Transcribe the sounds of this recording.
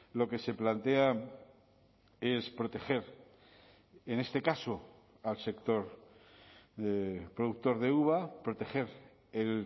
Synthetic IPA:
lo̞ke̞se̞plant̪ea | e̞spɾo̞t̪e̞xe̞ɾ | ene̞st̪e̞kaso | alse̞kt̪o̞ɾ | epɾoðuk̚t̪o̞ɾðeuβapɾo̞t̪e̞xe̞ɾ | el

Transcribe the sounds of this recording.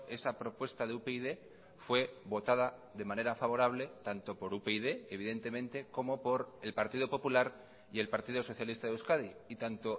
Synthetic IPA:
e̞sapɾo̞pwe̞st̪aðeupeiðe̞ | fwe̞βo̞t̪að̞aðe̞mãne̞ɾafaβo̞ɾaβle̞t̪ant̪o̞po̞ɾupeiðe̞eːβ̞iðe̞nt̪e̞mẽnt̪e̞ko̞mo̞po̞ɾe̞lpaɾt̪iðo̞po̞pulaɾ | je̞lpaɾt̪iðoso̞θjalist̪aðeuskaðiit̪ant̪o̞

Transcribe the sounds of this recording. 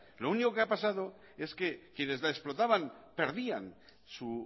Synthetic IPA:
lo̞uniko̞keapasað̞o | e̞ske̞kje̞ne̞zlaeksplo̞t̪aβanpe̞ɾðian | su

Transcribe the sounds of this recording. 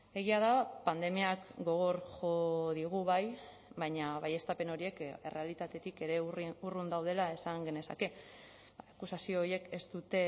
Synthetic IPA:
e̞ɣ̞iað̞apand̪e̞miakɡo̞ɣ̞o̞ɾʝo̞ðiɣ̞uβaj | βajɲaβaje̞st̪ape̞no̞ɾie̞ke̞re̞alit̪at̪e̞t̪ike̞ɾe̞urund̪awð̞e̞lae̞saŋɡe̞ne̞sa̰ke̞ | aakusasio̞ːɾie̞ke̞st̪ut̪e̞

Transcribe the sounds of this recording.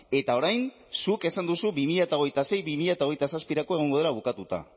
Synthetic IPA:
e̞t̪ao̞ɾajn | suke̞sand̪usubimiʎat̪ao̞ɣ̞ejt̪ase̞jβimiʎat̪aojt̪asaspiɾako̞e̞ɣ̞o̞ŋɡo̞ð̞elaβ̞ukat̪ut̪a̰

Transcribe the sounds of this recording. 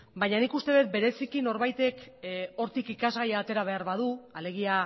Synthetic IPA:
bajɲanikust̪e̞ðet̪̚be̞ɾe̞sikino̞ɾβajt̪e̞ko̞ɾt̪ikikazɣajaːt̪e̞ɾaβ̞e̞aɾβaðuale̞ɣ̞ia

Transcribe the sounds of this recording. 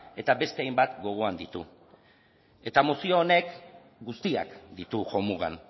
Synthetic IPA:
e̞t̪abe̞st̪e̞ajmbat̪ɡo̞ɣ̞o̞and̪it̪ṵ | e̞t̪amosio̞ːne̞k | ɡust̪ia̰kd̪it̪uʝo̞muɣ̞a̰n

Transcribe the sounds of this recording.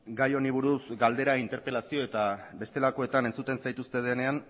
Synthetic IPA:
ɡajo̞niβ̞uɾusɡald̪e̞ɾaint̪e̞ɾpe̞lasio̞e̞t̪abe̞st̪e̞lako̞e̞t̪ane̞nt͡sut̪e̞nsajt̪ust̪e̞ð̞e̞ne̞an

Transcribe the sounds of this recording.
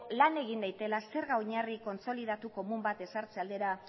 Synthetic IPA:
lane̞ɣ̞ind̪ajt̪e̞lase̞ɾɣaoɲariko̞nt͡so̞lið̞at̪uko̞mumbat̪e̞saɾt͡se̞ald̪e̞ɾa

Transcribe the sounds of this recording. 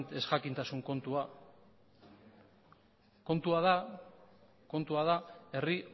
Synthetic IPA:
t̪e̞sɣakint̪asuŋko̞nt̪ua | ko̞nt̪uaða | ko̞nt̪uað̞ae̞ri

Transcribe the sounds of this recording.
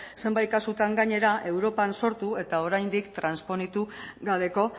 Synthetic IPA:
se̞mbajt̪̚kasut̪aŋɡaɲe̞ɾaʔe̞wɾo̞panso̞ɾt̪ue̞t̪ao̞ɾajnd̪ikt̪ɾanspo̞nit̪uɣaβe̞ko̞

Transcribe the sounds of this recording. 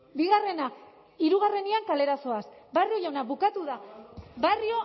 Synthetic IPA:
biɣare̞na | iɾuɣare̞niaŋkale̞ɾaso̞asbario̞ʎawnaβukat̪uðabario̞

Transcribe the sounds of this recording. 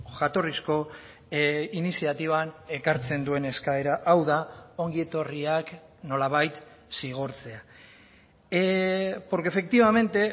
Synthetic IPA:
ʝat̪o̞risko̞ | inisiat̪iβ̞ane̞kaɾt͡se̞nd̪ue̞ne̞skae̞ɾaʔawðao̞ŋɡie̞t̪o̞riak | no̞laβ̞ajt̪ | siɣ̞o̞ɾt͡se̞a | po̞ɾkefe̞k̚t̪iβ̞ame̞nt̪e̞

